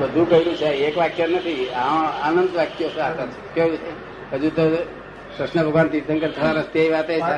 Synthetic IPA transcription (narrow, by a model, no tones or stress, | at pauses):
bəd̪ʱũkəɦiɾũt͡ʃʰeekʋakjəɾnət̪ʰiãanənd̪ʋakjosat̪a | kəɦiɾũt͡ʃʰe | əd͡ʒũt̪o | pɾəsnəbʱəɡant̪iɾsəŋkəɾt̪ʰət̪aɾəst̪jaiʋat̪ea